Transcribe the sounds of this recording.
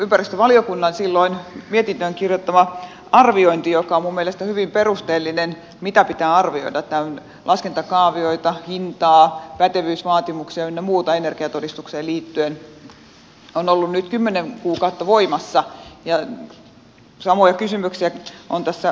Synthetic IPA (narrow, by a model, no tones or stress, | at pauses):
ympærist̪øʋɑliokunːɑnsilːoinmiet̪int̪øiŋkirjot̪ːɑʋɑ | ɑrʋioint̪ijokɑomumːielest̪æhyʋimperust̪eːlːinen | mit̪æpit̪æːɑrʋio̰idɑt̪t̪æøn | lʔɑskent̪ɑkɑːʋioit̪ɑhint̪ɑːpæt̪eʋyːsʋɑːt̪imuksiɑenːemuːt̪ɑenerɡ̥iɑt̪odist̪ukseːliːt̪ːyen | onolːunnyt̪kymːeneŋkuːkɑut̪ːɑʋoimɑsːɑjɑ | sɑmojɑkysymyksiæʔont̪æsːæ